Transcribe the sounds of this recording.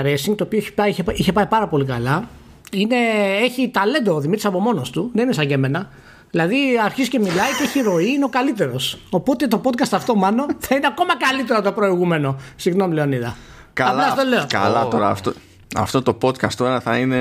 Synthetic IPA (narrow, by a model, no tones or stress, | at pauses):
ɾesiŋɡt̪oːpioeçi̥pɐiçeiçe̞pɐipɐɾɐpo̞likɐlɐ | ine̞e̞çit̪ɐle̞nd̪oːðimit̪ɾisɐpo̞mo̞no̞st̪uðeninesɐʝe̞me̞nɐ | ðilɐðiɐɾçizice̞milɐjceeçiɾo̞iineokɐlit̪e̞ɾo̞so̞po̞t̪e̞t̪o̞po̞t̪̚kɐst̪ɐft̪o̞mɐno̞θɐineako̞mɐkɐlit̪e̞ɾot̪o̞pɾo̞iɣume̞no̞siɣno̞mile̞oniðɐ | kɐɐɐst̪ole̞oɐ̰lɐoɾɐft̪o | ɐ̰ft̪ot̪opo̞t̪kɐst̪o̞ɾɐθɐine